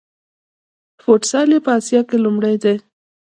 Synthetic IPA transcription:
foʈsɑlepəɑsjɑkelumɽajd̪e

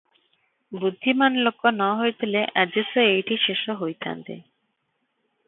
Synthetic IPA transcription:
bud̪ʱːimanlokːonɔɦojt̪ʰileʔad͡ʑesoejʈiʃeʃoɦojt̪ʰa̰nt̪ḛ

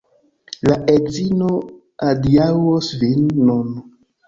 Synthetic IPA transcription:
laʔezino | adiawosvinːun

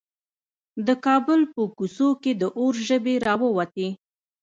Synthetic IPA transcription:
d̪əkɑbʊlpəkusoked̪əʔoɾʒəbeɾɑwəwat̪e

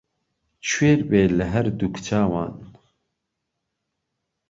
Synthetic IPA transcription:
t͡ʃʰweːɾbeːləɦɛɾd̪ukt͡ʃʰaːwa̰ːn

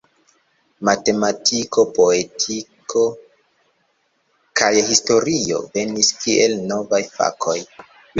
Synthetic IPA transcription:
mate̞matʰiko̞po̞e̞tʰikʰo̞ | kʰajhisto̞ɾio̞̰ve̞niskiʔe̞lno̞vajfa̰kʰo̞j

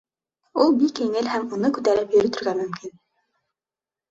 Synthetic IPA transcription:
ulˠbikːiŋɘlhæmunɤkʉt̪æɾɘpjɵ̆ɾɵ̆t̪ɵ̆ɾɡæmɵ̆mkin

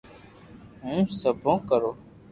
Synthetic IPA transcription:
ɦũːsəbʱõːkəɾoː

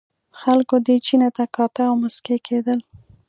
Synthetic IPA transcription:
xalkod̪et͡ʃinet̪akɑt̪aawmaskekʰed̪əl

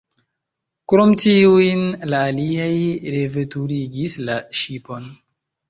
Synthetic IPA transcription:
kɾomtiujnlaːliajɾevetuɾiɡislaʃipo̞n

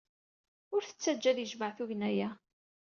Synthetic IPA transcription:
ʊɾθə̥t͡sːæd͡ʒːæðjəʒməʕθʊʝnæjæ

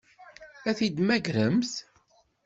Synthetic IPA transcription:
æθid̪mæɡɾəmθ

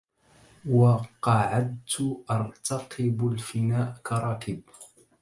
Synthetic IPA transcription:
wɑqɑʕad̪̚t̪ʊʔɑɾˤt̪ɑqɪbalfɪnaːʔkɑɾˤɑːkɪb

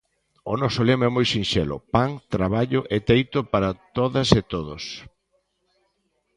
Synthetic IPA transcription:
onɔsolemɛmojsinʃɛlʊ̰paŋt̪ɾaβaʎʊʔet̪ejt̪ʊpaɾɐt̪oðɐset̪oðos

